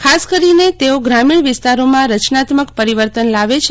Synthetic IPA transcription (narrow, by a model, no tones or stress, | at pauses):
kʰaskəɾinet̪eoɡɾamiɳʋɪst̪aɾomãɾət͡ʃnat̪məkpəɾiʋəɾt̪ənlaʋet͡ʃʰ